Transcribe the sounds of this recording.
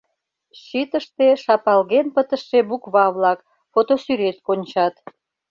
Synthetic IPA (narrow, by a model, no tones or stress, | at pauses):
ɕit̪əʃt̪eʃɑpɑlɣenpət̪əʃːebukβɑβlɑk | fot̪osyɾet̪konʲt͡ɕɑt̪